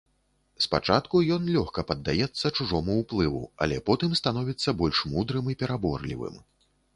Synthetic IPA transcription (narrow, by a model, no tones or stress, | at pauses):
spat͡ʂat̪kujɔnlʲɔxkɐpɐd̪ːajɛt̪sːɐt͡ʂuʐɔmuwplˠɨvṵa̰lʲɛ̰pɔt̪ɨmst̪anɔvʲit̪sːɐbɔlʲʂmud̪ɾɨmipʲɛɾabɔ̰rlʲḭvɨ̰m